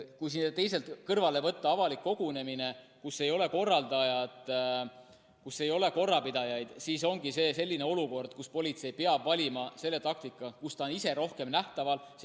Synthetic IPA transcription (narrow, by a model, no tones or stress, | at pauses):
kujsind̪et̪e̞jse̞lt̪kɤrvɑle̞vɤt̪ːɑɑvɑlikːo̞ɡ̥une̞mine̞kusːe̞jo̞le̞ko̞rːɑld̪̥ɑjɑt̪ˑ | kusːe̞jo̞le̞ko̞rːɑpid̪̥ɑjɑjd̪̥siːso̞ŋɡ̥ise̞ːse̞lʲːine̞o̞luko̞rd̪̥̚kuspo̞lʲit̪se̞jpe̞ɑbvɑlʲimɑse̞lːe̞t̪ɑk̚t̪ikˑːɑkust̪ɑonise̞ɾo̞hke̞mnæht̪ɑvɑls